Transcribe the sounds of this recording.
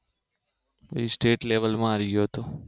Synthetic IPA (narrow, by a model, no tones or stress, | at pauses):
ə̰isʈeːʈleʋəlmãaɾiɡjoɦət̪o